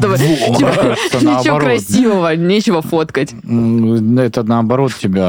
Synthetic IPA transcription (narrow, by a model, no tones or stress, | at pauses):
t̪obɨtiəɛt̪ənɪt͡ɕɪokɾɐsʲivəvənʲet͡ɕɪvəfo̞t̪kətʲ | ɛt̪ənɐːbɐɾo̞t̪tʲɪbʲa